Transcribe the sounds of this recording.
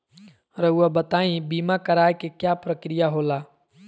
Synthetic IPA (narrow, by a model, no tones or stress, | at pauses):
ɾəɦuabət̪aːĩbiːmakəɾaːjkekjapɾəkɾijaɦolaː